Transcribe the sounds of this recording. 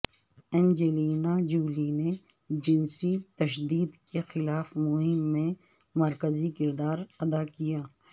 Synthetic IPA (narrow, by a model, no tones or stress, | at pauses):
ɛ̃nd͡ʒeliːnad͡ʒuːline | d͡ʒɪnsit̪ɐʃd̪iːd̪kexɪlaːfmʊɦɪmːẽ | mɐɾkəzikɪɾd̪aːɾɐd̪akijaː